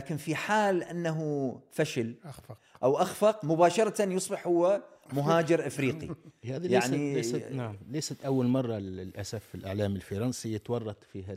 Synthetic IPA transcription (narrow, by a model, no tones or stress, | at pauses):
aːkɪnfiħaːlʔɪnːaɦufaʃal | ʔawʔaxfɑqmʊbaːʃɑɾˤɑt̪anjʊsˤbɪħhʊwːamʊɦaːd͡ʒɪɾʔɪfɾiːqḭhaːðjaʕnienaʕmleːsat̪ʔawːalmɑrˤːɑlʔasafɪlʔaʕlaːmɪlfɑɾˤɑnsijɪt̪wɑrˤːɑt̪ˤfiːa